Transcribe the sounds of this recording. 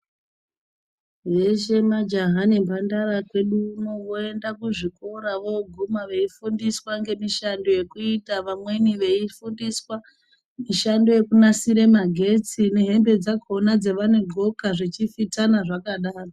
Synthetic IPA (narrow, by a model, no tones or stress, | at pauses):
je̞ʃemad͡ʒaɦanembʱandarakwe̞ɗunoʋo̞e̞ndakuʐiko̞ɾaʋo̞ɡʱumaʋe̞ifundiswaŋɡe̞miʃando̞je̞kuitaʋamwe̞niʋe̞ifundiswa | miʃando̞je̞kunasiɾe̞maɡʱe̞t͡sine̞ɦe̞mbe̞d͡zako̞nad͡ze̞ʋane̞ɡʱo̞kaʐit͡ʃifitanaʐakaɗaːro